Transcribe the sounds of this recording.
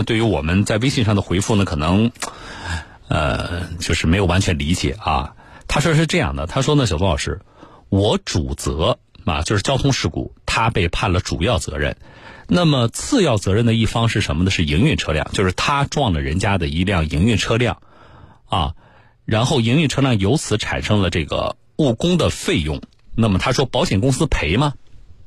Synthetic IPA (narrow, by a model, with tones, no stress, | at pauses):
t̪we˥˩ɪy˧˥wɔ̰˨˩mə˦nt͡sa˥˩ɪwe˥ɪɕi˥˧ŋʂ̬ɑ˥˩ŋd̪ə˩xwe˧˥ɪfu˥˩nə˩kʰɤ˨˩nɤ˧˥ŋ | ə̰˧t͡ɕjo˥˧ʊʂɻ̩˥˩me˧˥ɪjo˨˩wa˧˥nt͡ɕʰɥɛ˧˥nli˧˥t͡ɕjɛ̰˨˩˦ɐ̰˧˩t̪ʰa˥ʂwɔ˥˧ʂɻ̩˥˧ʈ͡ʂɤ˥˧jɑ̰˥˩ŋd̪ə̰˩t̪ʰa˥ʂwɔ˥nə˧˩ɕjt̪ʊ˥lɑ˨˩ʊʂɻ̩˥˩ | wɔ˧˥ʈ͡ʂu˨˩t͡sɤ̰˧˥ | mɐ̰˧t͡ɕjo˥˧ʂɻ̩˥˩t͡ɕjɑ˥t̪ʰʊ˥ŋʂɻ̩˥˩kṵ˨˩˦t̪ʰa˥pe˥˧ɪpʰa˥˩nlə˩ʈ͡ʂṵ˨˩jɑ˥˩ʊt͡sɤ̰˧˥ɻə̰˥˩nna˥˩mə˩t͡sʰɹ̩˥˧jɑ˥˩ʊt͡sɤ˧˥ɻə˥˩nd̪ə˩i˥˩fɑ˥ŋʂɻ̩˥˩ʂə˧˥nmə˧d̪ə˩ʂɻ̩˥˩i˧˥ŋy˥˩nʈ͡ʂʰɤ˥ljɑ̰˥˧ŋt͡ɕjo˥˧ʊʂɻ̩˥˩t̪ʰa˥ʈ͡ʂwɑ˥˩ŋlə˩ɻə˧˥nt͡ɕja˥d̪ə˨i˧˥ljɑ˥˩ŋi˧˥ŋy˥˩nʈ͡ʂʰɤ˥ljɑ̰˥˩ŋ | ɐ̰˥˧ | ɻa˧˥nxo˥˩ʊi˧˥ŋy˥˧nʈ͡ʂʰɤ˥ljɑ˥˩ŋjo˧˥ʊt͡sʰɹ̩˧˥ʈ͡ʂʰa̰˨˩nʂɤ˥ŋlə˨ʈ͡ʂɤ˥˩ɡə̰˩ | u˥˩kʊ˥ŋd̪ə˨fe˥˧ɪjʊ̰˥˩ŋ | na˥˩mə˩t̪ʰa˥ʂwɔ˥pɑ˧˥ʊɕjɛ˨˩nkʊ˥ŋsɹ̩˥pʰe˧˥ɪmɐ˧